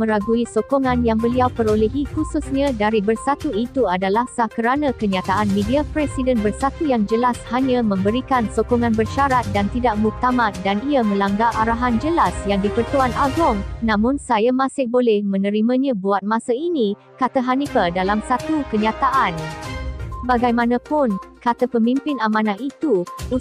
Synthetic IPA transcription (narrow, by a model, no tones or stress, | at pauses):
mə̃ɾaɡuisokɔŋãnjaŋbəliawpəɾolɛɦihususɲãdaɾibərsat̪uit̪uadalahsakəɾanãkəɲãt̪aʔanmẽdiapɾɛsidənbərsat̪ujaŋd͡ʒəlashaɲãmə̃mbəɾikansokɔŋãnbərʃaɾat̪̚dant̪idaʔ̚mut̪amãt̪̚daniamə̃laŋɡaʔaɾaɦand͡ʒəlasjaŋdipərt̪uanaɡɔŋnãmʊ̃nsajamãsɪhbolɛhmə̃nə̃ɾimãɲãbuat̪̚mãsainĩ | kat̪aɦanipadalamsat̪ukəɲat̪aʔan | baɡajmãnãpʊnkat̪apəmĩmpɪnamãnãit̪uu